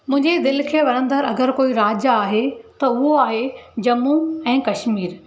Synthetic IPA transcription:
mʊ̃ɦɪ̃ɲd͡ʑed̪ɪlkʰeːʋɐɽ̃ə̃nd̪əɾɐɡəɾkoːiɾaːd͡ʑaaːɦet̪ɐʊɦoaːɦed͡ʑɐmũɛ̃ːkɐʃmiːɾ

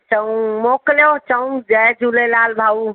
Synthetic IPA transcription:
t͡ʃəwmokleot͡ʃəw̃d͡ʒad͡ʒulelalbʱau

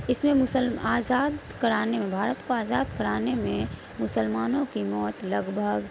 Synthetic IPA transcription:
ɪsmẽmʊsəlaːzaːd̪kɐɾaːnemẽbʱaːɾət̪koaːzaːd̪kɐɾaːnemẽ | mʊsəlmaːnõkimɔːt̪lɐɡbʱəɡ

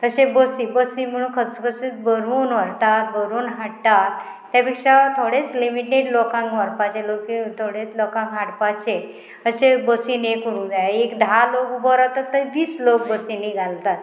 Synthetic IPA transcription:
t̪əsebəsibəsim̤əɽ̃ũːnkʰəsəkʰəsit̪bəɾuːnʋəɾt̪at̪̚bəɾuːnɦaɽt̪at̪ː | japikʂat̪ʰoɽet͡slimiʈeɖlɔkãŋkʋəɾpat͡ɕelokit̪ʰoɽet͡slɔkãŋkɦaɽpat͡ɕe | əsebəsinekəɾũːd͡zajaekd̪ʱalokbəɾat̪ət̪ːəɾʋiːslok̚bəsiniɡʱalt̪at̪

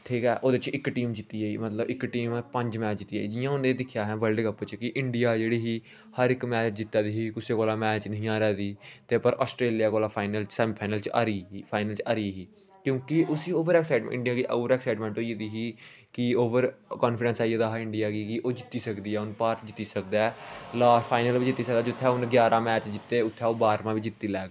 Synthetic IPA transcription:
ʈʰiːkɛːʔoːd̪et͡ʃɪkːʈiːmd͡ʒɪt̪ːiːaːiːmət̪ləbɪkːʈiːmːpəɲd͡ʒmɛːt͡ʃd͡ʒɪt̪ːiːaːiːd͡ʒɪjãːʊ̃nd̪eːd̪ɪkʰːjaːɦɛːʋəlɖkəpːt͡ʃkɪʔɪɳɖɪjaːd͡ʒeːɽiːɦiː | həɾɪkmɛːt͡ʃt͡ʃd͡ʒɪt̪ːaːd̪iːɦiːkʊseːkoːlaːmɛːt͡ʃnəɦĩːaːɾɛːd̪iːt̪eːpəɾʔɔːsʈɾeːlijaːkoːlaːpʰaːɪnəlt͡ʃsɛːmpʰaːnəlt͡ʃa̰ːɾiːpʰaːɪnəlt͡ʃaːɾiːɦiː | kjõːkɪʔʊsiːoːʋəɾɛːksaɪʈɪ̰ɳɖijãːkiʔo̰ːʋəɾɛːksaːɪʈmɛ̃ːɳʈoːied̪iːɦiː | kɪoːʋəɾkɔːnfʰɪɖɛ̃nsaːieːd̪aːɦaɪɳɖɪjaːkiːkɪʔoːd͡ʒɪt̪ːiːsəkd̪iːɛːʊnpaːɾt̪d͡ʒɪt̪ːiːsəkd̪aːlaːpʰaːɪnəlʋiːd͡ʒɪt̪ːiːsək̚d̪aːd͡ʒʊt̪ʰːɛːʊnɡjaːɾʔãːmɛːt͡ʃd͡ʒɪt̪ːeːʊt̪ʰːɛːoːbaːɾmãːʋiːd͡ʒɪt̪ːiːlɛːɡ

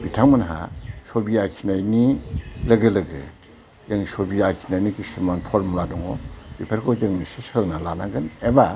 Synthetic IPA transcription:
bitʰaŋmanɦa̰sɔbiakʰinajnilɯɡɯlɯɡɯ | jɯŋisɔbiakʰinajnikisɯmanpʰɔɾmladɔŋɔbipʰaɾkʰɔd͡ʒɯŋnisisənalanaɡɯneba

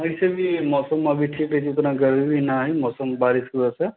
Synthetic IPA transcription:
əjsebʱimɔsɔmabʱiʈʰiketit̪ɾãɡəɾibʱinaɦjmɔsɔmbaɾiskuase

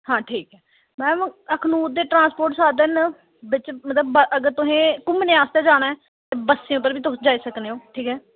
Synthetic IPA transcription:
hãːʈʰiːkɛː | mɛ̃ːəkʰnũːd̪eːʈɾãːspoːɾʈsaːd̪enə | bɪt͡ʃmət̪ləbəʔəɡəɾt̪ʊɦẽːkʊmnẽaːst̪eːd͡ʒaːnaːɛː | t̪eːbəsːĩʊpːəɾbiːt̪ʊsd͡ʒaːiːsəkneːɦõːʈʰiːkɛː

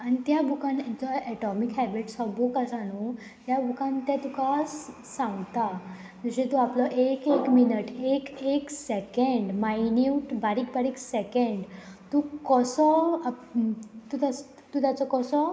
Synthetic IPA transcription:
anit̪jabʱukãnat͡sɔʔɛʈɔmikɦɛbiʈsɔbukasañu | t̪jabʱukãnt̪jat̪ukasː | ãŋɡt̪a | d͡zəɕet̪uaplɔʔekekminəʈekeksekəɳɖmajnjuʈbaɽik̚baɾiksekəɳɖt̪ukɔsɔ | t̪ut̪as | t̪ut̪jat͡sɔkɔsɔ

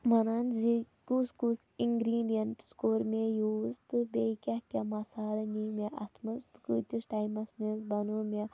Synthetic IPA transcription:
mɐnanzi | kuskus | iŋɡɾiːɖijɐnʈskoːɾmejuːzt̪ɨbekʲɐhkɐmɐsaːlɐnimeʔɐt̪ʰmɐst̪ɨkɨt̪isʈaːjmɐsmenzbɐnuːmʲe

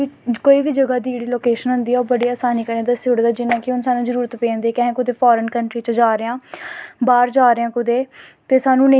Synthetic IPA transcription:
koːiːbiːd͡ʒəɡaːd̪iːeːɽiːloːkeːʃənɦʊ̃nd̪iːɔːɾbəɽiːaːsaːniːkəɾneːd̪aːsʊɽd̪aːd͡ʒɪnãːkɪʊnsaːnũːzəɾuːɾət̪pẽːnd̪eːkɛ̃ɦẽːkʊd̪eːpʰɔːɾənkəɳʈɾiːt͡ʃəd͡ʒaːɾeːãːbaːɾd͡ʒaːɾeãːkʊd̪eːt̪eːsaːnũːnẽ

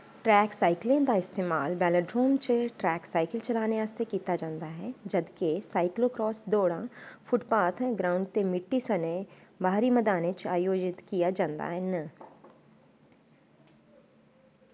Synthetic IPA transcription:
ʈɾɛːksaːɪklẽd̪aɪst̪eːmaːlbɛːləɖɾoːmt͡ʃʈɾɛːksaːɪkəlt͡ʃɐlaːneaːst̪ekiːt̪ad͡ʒãːnd̪aɦɛːd͡ʒɐd̪kesaːɪklokɾɔːsd̪oːɽãfʰʊʈpaːt̪ʰɡɾaːʊ̃ɳɖt̪emɪʈːisənebaːɾiməd̪aːnet͡ʃaːjoːd͡ʒɪt̪kijad͡ʒãːnd̪a̰ɦɛnə

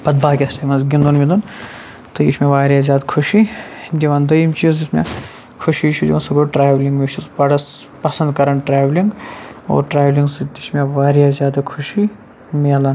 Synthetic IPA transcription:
pɐd̪̚baːkʲesʈɐjmɐnzɡʲind̪unmid̪un | t̪ɨḭʃmʲeʋaːɾʲjazʲjaːd̪kʰuʃid̪iʋand̪ɐjimt͡ʃizd͡ʒismʲḛ | kʰuʃit͡ʃʰud͡ʒiɐnsɐɡoːʈɾaːjʋliŋɡmiʃʰusbɐɽɐspɐsɐnd̪kɐɾɐɳʈɾaːʋliŋɡo̰ːɾʈɾaːjʋliŋɡsɨt̪ismʲeʋaːɾjazjaːd̪ɐkʰuʃi | melan

